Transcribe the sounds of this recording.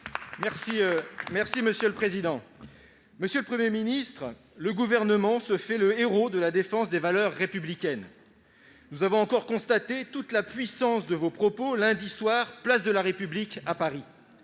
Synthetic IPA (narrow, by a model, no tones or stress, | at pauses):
mɛsimɛʁsiməsjøləpχezid̪ɑ̃ | məsjøləpχəmjeminist̪χ | ləɡuvɛʁnəmɑ̃səfɛləeʁod̪əlad̪efɑ̃sd̪evalœʁːepyblikʲɛn | nuzavɔ̃ɑ̃kɔʁkɔ̃st̪at̪et̪ut̪lapɥisɑ̃sd̪əvopχɔpolɛ̃d̪iswaʁplasd̪əlaʁepyblikapaʁi